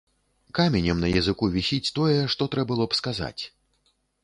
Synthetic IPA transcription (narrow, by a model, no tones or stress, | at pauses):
kamʲɛnʲɐmnɐjɐzɨkuvʲisʲit͡sʲt̪ɔjɛʂt̪ɔt̪ɾɛbɨlˠɔpskaza̰t͡sʲ